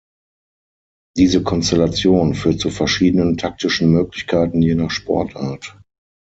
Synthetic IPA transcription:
d̥iːzəkʰɔnstɛlat͡sjoːnfyːɐt̚t͡sufɛɐʃiːdənəntʰak̚tɪʃn̩møːklɪçkʰaɪtn̩jenaːχʃpʰɔ̰ɐtʔaːɐt

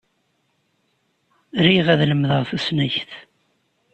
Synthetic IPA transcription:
ɾiʁæðləmðəʁθæsnæçθ

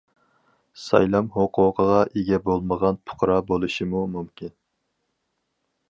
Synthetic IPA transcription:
sɑ̰jlˠɑmhoqʰʊqʰəʁɑʔeɡʲɛbolˠməʁɑnpʰʊ̥qɾɑbolˠuʃimumumkʲʰin

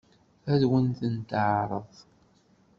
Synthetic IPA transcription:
æðwənθənt̪əʕɾˤəðˤ

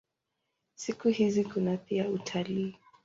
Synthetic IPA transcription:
sikuhizikunapiautʰaliː

